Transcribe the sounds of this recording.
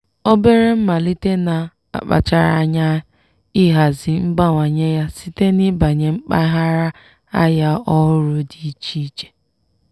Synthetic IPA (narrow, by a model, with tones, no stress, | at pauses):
o˦be˦ɾe˦m̩˦ma˨li˦te˦na˨ | a̰˨k͡pa̰˨t͡ʃa˦ɾa̰˦˨ɲa˦ | i˦ɦa˨zi˨ŋ͡m̩˦ɡ͡ba˦ŋʷa˨ɲe˦ja˦si˦te˦ni˦ba˨ɲe˨ŋ͡m̩˦k͡pa˦ɦa˦ɾa˦ | a˦ja˦ɔ˦ɦʊ˦ɾʊ˨di˨i˦t͡ʃi˦i˦t͡ʃe̥˨